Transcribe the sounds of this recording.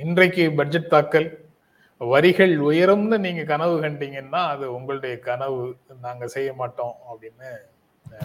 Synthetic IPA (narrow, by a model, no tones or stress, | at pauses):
ɪndrɐɪkːɯbɐɖd͡ʒɛʈ̚t̪aːkːɐl | ʋɐɾɪɣɐɭʊjɐɾɯmnɯniːŋɡɐkɐnɐʋɯkɐɳɖiːŋɡɐnːaːɐðɯʊŋɡɐɭɯɽɐjɐkɐnɐʋɯnaːŋɡɐsɛjːɐmaːʈːõːɐpːɽɪnːɯ